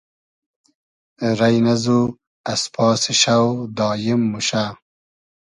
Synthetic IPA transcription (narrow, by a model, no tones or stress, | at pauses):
ɾɐjnɐzu | ɐspʰɑːsiɕawd̪ɑːjimːuɕa